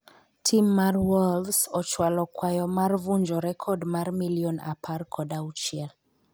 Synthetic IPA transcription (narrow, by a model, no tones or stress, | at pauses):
tʰimːarwɔlsɔt͡ʃwalɔkwajɔmarvuɲd͡ʒɔɾɛkʰɔdmarmiliɔna̰pʰarkʰɔdaut͡ʃiɛl